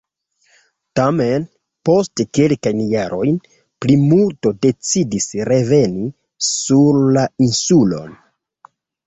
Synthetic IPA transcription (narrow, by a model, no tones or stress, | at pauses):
tame̞n | po̞stke̞lkajnjaɾʔo̞jn | plimulto̞de̞t͡sidisɾe̞ve̞ni | suɾlainsulo̞̰n